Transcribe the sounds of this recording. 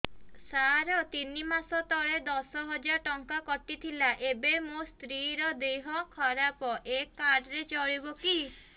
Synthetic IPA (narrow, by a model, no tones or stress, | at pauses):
saɾɔt̪inimasɔt̪ɔɭed̪ɔsɔɦɔd͡ʒaɾɔʈɔŋkakɔʈ̪it̪ʰilaʔebemost̪ɾiɾɔd̪eɦɔkʰɔɾapɔʔekːaɖɔɾet͡ʃɔɭibɔki